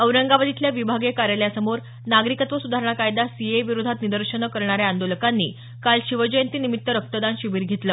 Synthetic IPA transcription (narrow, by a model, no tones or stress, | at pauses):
əʋɾəŋɡaʋad̪ʱit̪ljaʋibʱaɡekaɾjaljasəmoɾ | naɡɾikət̪ʋəsud̪ʱaɾəɳ̃akajd̪asieʋiɾud̪ʱat̪nid̪əɾɕənəkəɾɳaɾjeand̪oləkanːḭː | kalɕiʋəd͡ʑəjənt̪iːnimit̪ːəɾək̚t̪əd̪anɕiʋiːɾɡʱet̪ləː